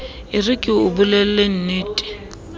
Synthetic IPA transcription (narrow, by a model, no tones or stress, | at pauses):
ɪrɪkʼɪʊbulɛl̩len̩neːtʼɪ̥